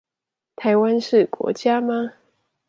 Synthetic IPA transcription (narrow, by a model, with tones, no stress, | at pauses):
t̪ʰa˧˥ɪwa˦nʂɻ̩˥˩kwɔ̰˧˥t͡ɕja˥ma˧